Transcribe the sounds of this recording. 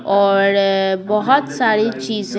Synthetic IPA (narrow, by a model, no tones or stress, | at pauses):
ɔːɾbɔɦɔt̪saːɾit͡ʃiːz